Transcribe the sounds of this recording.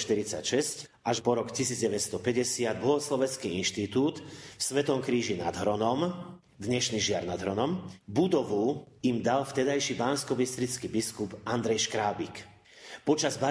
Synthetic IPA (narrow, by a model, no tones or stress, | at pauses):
ʃt̪iɾit͡sa̰cʃɛsc | ʔaʒpɔɾɔkcisiːd͡zɟɛʋɛtst̪ɔpɛɟɛsɪad̪̚blɔɦɔslɔʋɛnt͡skiinʃt̪it̪uːt̪fsʋɛt̪ɔmkɾiːʒina̰d̪ɦɾɔnɔm | d̪ɲɛʃniʒɪaɾnad̪ɦɾɔnɔmbud̪ɔʋu | imd̪alft̪ɛd̪ajʃibaːnskɔbist̪ɾit͡skibiskupand̪ɾɛjʃkɾaːbik | pɔt͡ʃazba